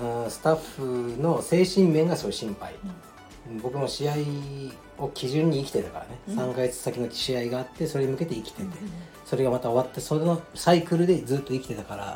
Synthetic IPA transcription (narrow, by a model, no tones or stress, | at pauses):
ɯ̃ːsɨ̥t̪aɸɯno̞se̞ːɕĩmmẽ̞ŋɡasoɕĩmpa̰ḭ | ɯ̃bo̞kɯ̟noɕiai | o̞kʲiʑɨ̃ɲ̟ːiːkʲi̥t̪e̞t̪ḁka̰ɾa̰nesãŋkaɡe̞t͡sɨ̥sakʲino̞t͡ɕi̥ɕiaiɡaːt̪ːe̞so̞ɾe̞ɲ̟imɯ̟ke̞t̪e̞ikʲi̥t̪e̞t̪e̞ | so̞ɾe̞ɡamat̪ao̞βat̪ːe̞sonosaikɯ̟ɾɯ̟d̪e̞d͡zɨːt̪ːo̞ikʲt̪e̞t̪akaɾa̰